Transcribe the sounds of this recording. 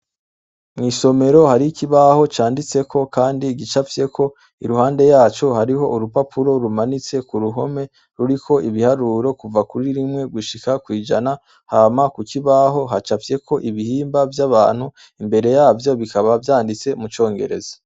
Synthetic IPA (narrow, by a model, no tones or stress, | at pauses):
mŋiːso̞me̞ɾo̞haɾikiβaho̞t͡ʃaːndit͡se̞kʰo̞kaːndiɡit͡ʃafje̞kʰo̞ | iɾuhaːnde̞jaːt͡ʃo̞haɾiɦo̞ʔuɾupapʰuɾo̞ɾumanit͡se̞kuɾuɦo̞me̞ | ɾuɾikʰo̞ʔiβihaɾuɾo̞kuvakuɾiɾimŋe̞ɡuʃikakwiːd͡ʒana | hamakukiβaɦo̞ɦat͡ʃafje̞kʰo̞ʔiβihiːmbavjaβaːn̥hu | imbe̞ɾe̞jaːvjo̞βikaβavjaːndit͡se̞mut͡ʃo̞ːŋɡe̞̰ɾḛzḁ